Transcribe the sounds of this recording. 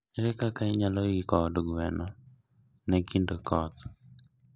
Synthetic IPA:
ɾɛkakaɪɲalojikɔdoɡwɛnɔ | nɛkindokɔt̪

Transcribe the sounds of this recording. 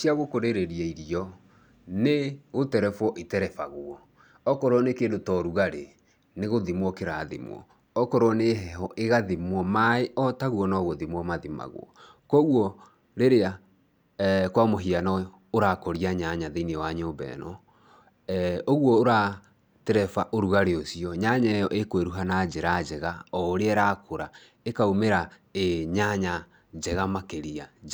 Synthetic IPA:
siaɣokoɾeɾeɾiɛiɾiɔ | neɣotɛɾɛfɔʔetɛɾɛfa̰ɣuɔ | ɔkɔɾoɔnekeːndotɔɾuɣaɾe | neɣoðimwɔkeɾaðḭmw̰ɔ̰ | ɔkɔɾwɔneɦɛɦɔʔeɣaðimwɔmaeʔɔtaɣwɔnɔɣoðimwɔmaðima̰ɣw̰ɔ̰ | kɔɣwɔ | ɾeɾea | kwamoɦianɔ | oɾakɔɾiaɲaɲaðenewaɲoːbɛ̰nɔ | oɣwɔoɾa | tɛɾɛfaʔoɾuɣaɾeosiɔɲaɲajɔʔekoweɾuɦanad͡ʒeɾad͡ʒɛɣaɔɾeɛɾakoɾa | ekaumeɾa | eɲaɲa | d͡ʒɛɣamakeɾia

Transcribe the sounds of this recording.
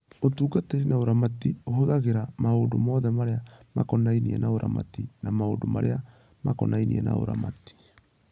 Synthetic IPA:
otuːɡateɾinaoɾamatiohoɣaɣeɾamaoːndomɔːðɛmaɾeama̰kɔnainiɛnaoɾa̰ma̰tinamaondomaɾḛa | makɔnainḭɛna̰o̰ɾa̰mati̥

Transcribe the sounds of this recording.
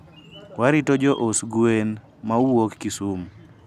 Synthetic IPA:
waɾitod͡ʒɔʔosɡuen | mauwokːisum

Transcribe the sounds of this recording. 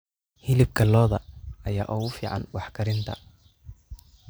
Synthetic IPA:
hɪlɪb̚kʰɐlɔːðɐɐja̰ːʔɔːɣʊfiːʕɑ̰nwɑħkʰɐɾɪnt̪ʰɐ̰

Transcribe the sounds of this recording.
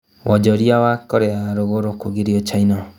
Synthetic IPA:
wʔɔd͡ʒɔɾiawakɔɾɛaɾoɣoɾokoɡiɾiɔt͡ʃainɔ

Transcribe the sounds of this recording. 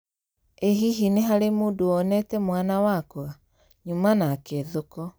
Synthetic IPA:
eɦiɦineɦaɾemoːndoɔnɛtɛmwanawakwa | ɲumanakeðokɔ

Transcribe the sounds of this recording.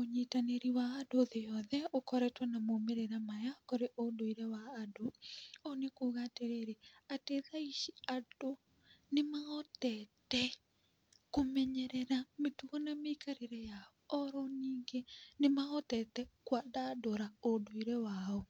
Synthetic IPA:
oɲetaneɾiwaːdoðejɔðɛokɔɾɛtwanamomeɾeɾamajakoɾeʔodoiɾɛwaːdoonekuːɣaːteɾeːɾeateðaiʃiado | nemaɔtɛtɛ | komɛɲɛɾɛɾametuɣɔnameikaɾeɾɛjaɔɔɾɔniːŋɡenemaɔtɛtɛkwadadoɾaodoiɾɛwaɔ

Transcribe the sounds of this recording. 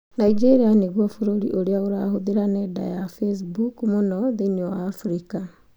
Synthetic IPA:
naid͡ʒeɾianeɣwɔfoɾoɾḭʔoɾeaoɾahoðeɾanɛda̰jafes̬bukmonɔðeniɔwaːfuɾika

